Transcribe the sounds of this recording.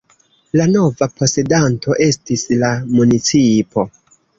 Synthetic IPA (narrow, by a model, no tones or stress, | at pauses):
lano̞vapo̞se̞danto̞ʔe̞stislamunit͡sipʰo̞